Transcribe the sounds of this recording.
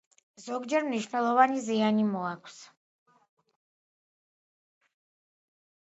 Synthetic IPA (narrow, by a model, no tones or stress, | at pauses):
zɔɡd͡ʒɛɾmniʃvnɛlˠɔvanizianimɔakʰs